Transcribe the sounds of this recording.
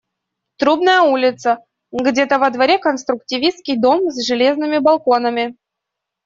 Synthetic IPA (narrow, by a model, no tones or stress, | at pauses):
t̪ɾubnəjəulʲɪt̪sə | ɡdʲet̪əvəd̪vɐɾʲekənst̪ɾʊktʲɪvʲist̪kʲɪjd̪o̞mzʐɨlʲe̞znɨmʲɪbɐlˠko̞nəmʲɪ